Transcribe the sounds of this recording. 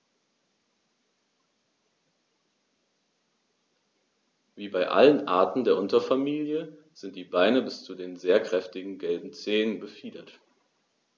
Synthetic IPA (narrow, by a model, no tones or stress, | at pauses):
viːbaɪʔa̰lənʔa̰ɐtn̩deːɐʔʊntɐfamiːljə | z̥ɪnt̚d̥iːbaɪnəbɪst͡sudeːnzeːɐkʁ̥ɛftɪɡŋ̩ɡɛlbm̩t͡seːnənbəfiːdɐt